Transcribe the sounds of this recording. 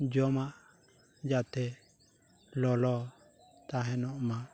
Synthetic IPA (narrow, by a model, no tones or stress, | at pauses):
d͡ʒɔmaʔ | d͡ʒat̪ʰɛ | lɔlɔ | t̪aɦɛnɔʔma